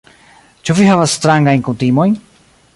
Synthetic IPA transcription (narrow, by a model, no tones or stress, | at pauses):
t͡ʃuvihavasːt̪ɾaŋɡajnkunt̪imojn